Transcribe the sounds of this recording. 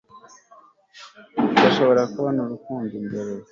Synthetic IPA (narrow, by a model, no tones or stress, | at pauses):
ɡaʃo̞βo̞ɾakuβanuɾukuːnzimɡeɾe